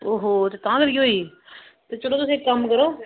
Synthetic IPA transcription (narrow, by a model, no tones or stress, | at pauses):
oːɦoːt̪eːt̪ãːkəɾiɦoːiː | t̪eːt͡ʃəɽoːt̪ʊsĩkəmkəɾoː